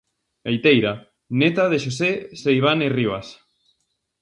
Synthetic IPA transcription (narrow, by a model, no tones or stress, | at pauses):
ejt̪ejɾa | net̪að̞eʃosesejβ̞aneriβas